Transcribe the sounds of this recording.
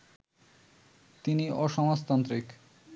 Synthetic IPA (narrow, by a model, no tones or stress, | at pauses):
t̪iniʔɔʃɔmost̪ant̪ɾik